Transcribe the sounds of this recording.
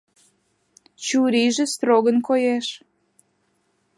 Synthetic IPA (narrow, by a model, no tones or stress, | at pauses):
t͡ɕuɾiʒĕst̪ɾoɣənkojeʃ